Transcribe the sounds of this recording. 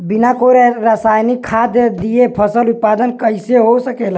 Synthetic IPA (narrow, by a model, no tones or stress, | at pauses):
binakoɾɾasajnikʰːad̪jəd̪ijepʰəsəlut̪̚pad̪ənkəjseɦosəkel